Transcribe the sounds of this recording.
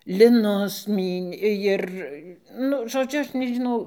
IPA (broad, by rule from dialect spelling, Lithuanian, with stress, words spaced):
lʲɪˈnʊs ˈmʲiːnʲeː ˈjɪr ˈnʊ ʒoːˈd͡ʒʲʊ ˈɐʃ nʲɛʒʲɪˈnɐʊ